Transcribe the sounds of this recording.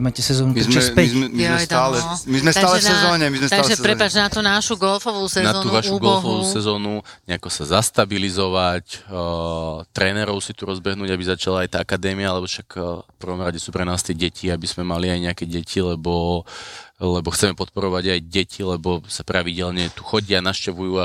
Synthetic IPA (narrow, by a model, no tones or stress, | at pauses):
maːcɛsɛzɔːnut̪zmɔspɛiɛmit̪aːlɛmizmɛst̪aaːlɛɛzɔːɲɛmizmɛst̪aɡʒɛpɾɛpad͡ʒnat̪unaʃuɡɔlfɔʋuːsɛznaɔːt̪uːʋaʃuːɡɔɔlfɔʋuːsɛzɔːnuɲɛakɔsazast̪abilizɔʋac | t̪ɾɛːnɛɾɔʊsit̪uɾɔzbɛɦnuːɟabizat͡ʃalaajt̪aːakad̪ɛːmiaalɛbɔʃakfpr̩ʋɔmɾaɟɛsuːpɾɛnaːst̪iːɟɛcʰiabiz̥mɛmaliajɲɛakɛɟɛcʰilɛbɔ | lɛbɔxt͡sɛmɛpɔt̪̚pɔɾɔʋaɟajɟɛcʰilɛbɔsapɾaʋiɟɛlɲɛt̪uxɔɟɪanaʃcɛʋujuːa